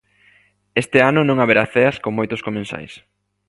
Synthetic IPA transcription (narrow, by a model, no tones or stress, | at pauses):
est̪ɪanʊnõŋaβeɾaθeɐskoŋmojt̪ʊskomẽnsa̰js